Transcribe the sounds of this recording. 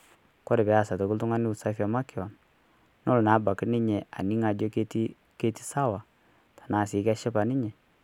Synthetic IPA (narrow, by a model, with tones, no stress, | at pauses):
kɔ˦ɾɛ˨bɛ˨˦a˦˨sa˨to˨ku˦ltʊ˦ŋa˦nɪ˦u˨sa˦fa˨ma˦kɪ˨ɔ˨n | nɔ˦lna˨˦ba˨ki˦nɪ˦ɲɛ˨a̰˨ni˦ŋa˨d͡ʒɔ˦ke˦ti˦ | ke˦ti̥˦sa˦wa˨ | tḁ˨na˨si˨˦ka˦ʃɛ˦pa˨nɪ˦ɲɛ˨